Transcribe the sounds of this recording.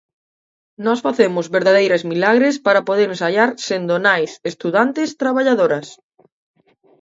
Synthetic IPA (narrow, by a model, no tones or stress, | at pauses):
nɔsfaθemʊzβeɾðað̞ejɾezmilaɣɾespaɾapoð̞eɾẽnsaʎaɾsend̪onajsest̪uðant̪ɪst̪ɾaβaʎaðoɾɐs